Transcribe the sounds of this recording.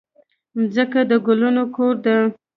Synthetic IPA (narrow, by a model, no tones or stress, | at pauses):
zəkad̪əɡʊlunokoɾd̪ə